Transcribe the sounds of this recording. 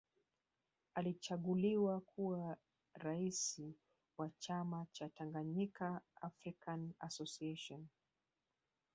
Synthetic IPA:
alit͡ʃaɠuliwakʰua | ɾaisi | wat͡ʃamat͡ʃataŋɡaɲikaafɾikana̰sɔsiɛʃɔn

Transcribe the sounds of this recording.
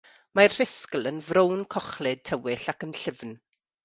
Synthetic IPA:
marr̥ɪskəl̩ˠənvɾownkʰɔχlɪd̚tʰəwɪɬakənɬɪvn

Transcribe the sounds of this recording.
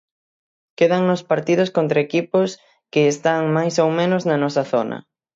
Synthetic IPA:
keðaŋnospaɾt̪ið̞ʊskont̪ɾaekipʊs | kɪːst̪aŋmajsowmẽnʊznɐnɔsɐθonɐ̰

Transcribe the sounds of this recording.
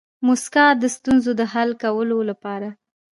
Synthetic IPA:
mʊskɑd̪əst̪unzod̪əɦalkawəlolapɑɾa

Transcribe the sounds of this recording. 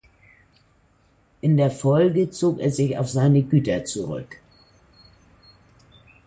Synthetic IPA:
ʔɪndeːɐfɔlɡət͡soːkḛːɐzɪça̰ʊfz̥aɪnəɡyːtɐt͡suʁʏ̰k

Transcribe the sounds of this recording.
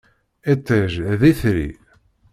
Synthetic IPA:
et̪ˤːeʒðiθɾḭ

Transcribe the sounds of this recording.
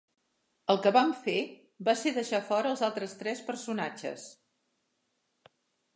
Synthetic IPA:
əlˠkəβamfe | baseðəʃafɔɾəːlˠzalˠt̪ɾəst̪ɾɛspəɾsunat͡ʃə̰s

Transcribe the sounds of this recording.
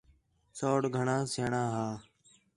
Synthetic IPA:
soːɽɡʱəɳãːseːɳãːɦaː

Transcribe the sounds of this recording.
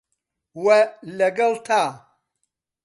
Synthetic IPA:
wɛlɐɡɐltʰaː

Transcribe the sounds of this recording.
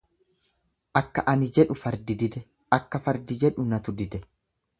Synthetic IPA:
ʔɐkːɐʔɐnɪd͡ʒɛᶑʊfɐɾd̪ɪd̪ɪd̪ɛ | ɐkːɐfɐɾd̪ɪd͡ʒɛᶑʊnɐt̪ʊd̪ɪd̪ɛ

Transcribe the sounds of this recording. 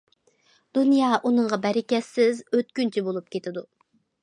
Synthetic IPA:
d̪̥unjɑːʔunɨɴʁɑbɛɾɪkʲɛsːɪzøt̪̚kʲynt͡ʃʰɛbolˠup̚kʲet̪ʰɪd̪u

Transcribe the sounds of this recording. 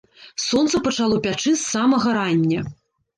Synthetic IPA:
sɔnt̪sɐpɐt͡ʂalˠɔpʲat͡ʂɨsːamɐɣɐɾanʲːɐ

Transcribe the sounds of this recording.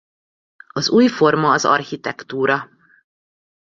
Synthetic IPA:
ɒzuːjfo̞rmɒːzɒ̰rhit̪ɛkt̪uːɾɒ

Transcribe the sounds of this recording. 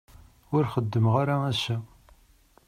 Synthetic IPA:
ʊɾχəd̪ːəmʁaɾaæsæ

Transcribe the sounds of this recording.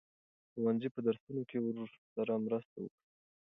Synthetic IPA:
xowanzipəd̪aɾsunokewɾoɾsaɾamɾəst̪awə̰kɽi

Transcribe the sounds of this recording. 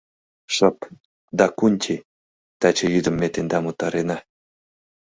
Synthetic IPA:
ʃɑp̪ | d̪ɑkunʲtʲʰi | t̪ɑt͡ɕejyd̪ə̆mʲːet̪end̪ɑmut̪ːɑɾenɑ

